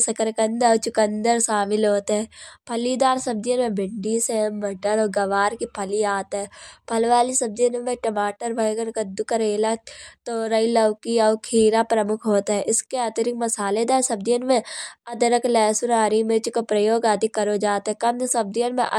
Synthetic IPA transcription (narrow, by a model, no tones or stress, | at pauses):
sɐkəɾkənd̪t͡ʃʊkə̃nd̪əɾsaːmɪlɦoːt̪eɦɛːpʰɐlid̪aːɾsɐb̚d̪ijənmẽbɪɳɖisebɐʈəɾɔːɡɐʋaːɾkipʰɐliaːt̪ɦɛːpʰɐlʋaːlisɐb̚d̪ijənmẽʈɐmaːʈəɾbʱɐjɡənkɐd̪ʊkɐɾeːlat̪oɾɐilɐʋkiɔːkʰiːɾapɾɐmʊkʰɦoːt̪ɦɛʔɪskeaːt̪əɾɪk̚mɐsaːled̪aːɾsɐb̚d̪ijənmẽɐd̪əɾəklɛːsʊɾaːɾimẽt͡ʃkopɾɐjoːɡaːd̪ikːɐɾod͡ʒaːt̪ɦɛkɐnsɐb̚d̪ijənmḛ̃ʔɐ